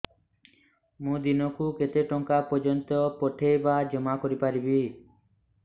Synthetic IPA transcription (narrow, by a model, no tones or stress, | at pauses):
mũd̪inɔkuket̪eʈɔŋkapɔd͡ʒɔnt̪ɔpɔʈʰejbad͡ʒɔmakɔɾipaɾibi